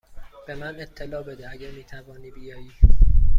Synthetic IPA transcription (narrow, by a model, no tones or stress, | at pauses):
b̥e̞mænet̪ʰːelɒːbed̪eæɟæɾmiːt̪ʰævɒːniːbijɒːjiː